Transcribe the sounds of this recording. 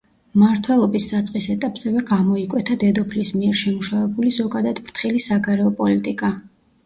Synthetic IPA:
maɾt̪ʰwɛlˠɔbisdat̪sʼqʼisɛt̪ʼapʼz̥ɛvɛɡamɔikʼwɛt̪ʰad̪ɛd̪ɔpʰlismiɛɾʃɛmuʃavɛbulizɔɡad̪ad̪bɾt̪ʰχilisaɡaɾɛɔpʼɔlit̪ʼikʼa

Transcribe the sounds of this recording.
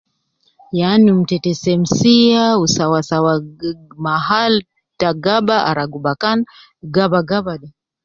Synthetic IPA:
janum̩tɛtɛsɛm̩siausawasawamaɦal | taɡabaʔa̰ɾaɡubakan | ɡabaɡabaɗa

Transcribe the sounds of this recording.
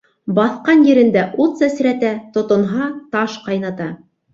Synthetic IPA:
bɑθqɑnjɘ̆ɾɘ̆nd̪æʔut̪sæsɾæt̪æt̪ŏt̪ŏnɦɑt̪ɑʃqɑjnɑt̪ɑ

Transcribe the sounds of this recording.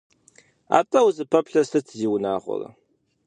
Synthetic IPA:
a̰ːtʼɐwzɨpʰɐpɬɐsɨtʰziːwnaːʁʷɔ̰rɐ̰

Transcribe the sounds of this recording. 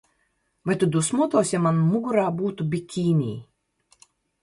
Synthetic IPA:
vajt̪ud̪usmuɔt̪ɔːwsʲjamanmuɡuɾaːbuːt̪ubʲikʲʰiːnʲḭː

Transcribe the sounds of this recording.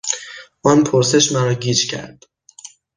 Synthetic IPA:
ʔɒːnpʰoɾse̞ʃmæɾɒːɟiːd͡ʒcʲʰæ̰ɾd̪̥

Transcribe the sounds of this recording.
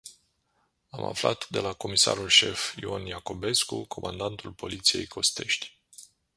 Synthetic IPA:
ama̰flat̪d̪e̞lako̞misa̰ɾulʃe̞fionjako̞be̞skukʰo̞mand̪ant̪ulpo̞lit̪sije̞̰jkʰo̞st̪e̞ʃt̪ʲ

